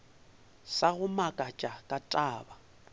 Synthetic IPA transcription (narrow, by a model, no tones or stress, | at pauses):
saɣʊmakʼat͡ʃʼakʼatʼaːba